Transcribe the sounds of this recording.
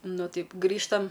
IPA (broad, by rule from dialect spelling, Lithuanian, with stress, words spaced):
ˈnʊ ˈtɐɪp ˈɡrʲiːʃtɐm